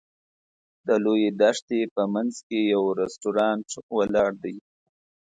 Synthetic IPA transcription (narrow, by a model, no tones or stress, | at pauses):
d̪əlojed̪aʂt̪epəmanzkejawɾesʈuɾɑnʈwalɑɽd̪aj